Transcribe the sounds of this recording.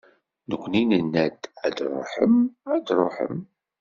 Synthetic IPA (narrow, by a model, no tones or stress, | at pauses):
nəkʷːninənːæd̪æd̪ɾˤo̰ħəmæd̪ɾˤoħə̰m